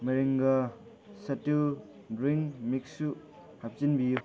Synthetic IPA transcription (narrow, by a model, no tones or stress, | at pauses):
mɐɾiŋɡɐ | sɐtu | dɾiŋmik̚su | hap̚t͡ʃinbiju